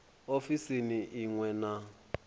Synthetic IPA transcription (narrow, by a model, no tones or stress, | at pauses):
ofisiniʔiŋwɛna